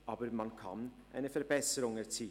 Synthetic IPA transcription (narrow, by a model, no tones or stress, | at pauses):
ʔaːbəmankʰa̰nʔa̰ɪnəfɛɐbɛsəʁʊŋɛɐt͡siː